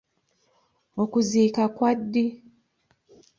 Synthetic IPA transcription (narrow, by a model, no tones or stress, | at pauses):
okuziːkakwadːi